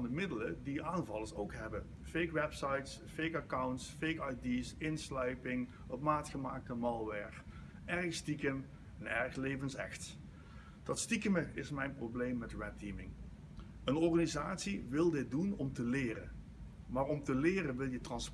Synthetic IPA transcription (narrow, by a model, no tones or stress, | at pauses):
ndəmɪdələdiaːnvɑlˠəsowkɦɛbə | fejkʋɛpsɑjts | fejkakawntsfejkajdisɪnslœɥpɪŋ | əpmaːtχəmaːk̚təmɑlˠʋɛɹχ | ʔɛrɪstikəm | ɛnɛɹxlejvənsɛ̰xt | d̥ɑtstikəməɪsmɛjnprowblejmːɛtɹɛtimɪŋ | ənɔɹχanizaːtsiʋɪlˠdɪt̚dunɔmtəlɪːrə̰n | maːrɔmtəlɪːrənʋɪlˠjətrɑns